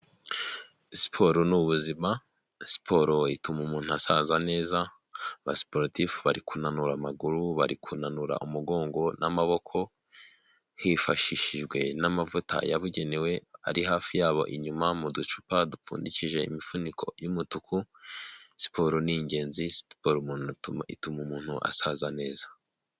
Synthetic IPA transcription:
si̥pʰo̞ɾunuβuzima | si̥pʰo̞ɾoitumumuːn̥uasaːnzane̞ːza | βa̰si̥poɾtifβaɾikunanuɾamaɡuɾuβa̰ɾikʰunanuɾa̰ʔumuɡo̞ːŋɡo̞namaβo̞kʰo̞ | hifaʃiʃiʒɡwe̞namavuta̰jaβuɟe̞newe̞a̰ɾiɦaːfijaːβo̞̰ʔiɲumamudut͡ʃu̥padup͡fṵːndiciʒe̞ḭmifunikʰo̞̰jumutuku | si̥poɾoniɲɟe̞ːnzispoɾumuːnuuḭtumumuːn̥huʔa̰sazane̞ːzḁ

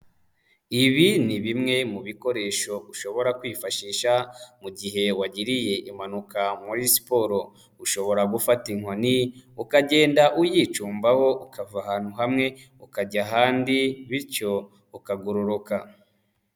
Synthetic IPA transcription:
iβiniβimŋe̞muβiko̞ɾe̞ːʃo̞uʃo̞βo̞ɾakwiːfaʃiːʃamuɟiɦe̞waɟiɾije̞ʔimanukamuɾisi̥poɾo̞ | uʃo̞βo̞ɾaɡufatiŋoniukaɟe̞ːndaʔujiːt͡ʃuːmbaho̞ʔukavahaːn̥huɦamŋe̞ | ukaɟaɦaːndiβiɾco̞ | ukaɡuɾuɾuka

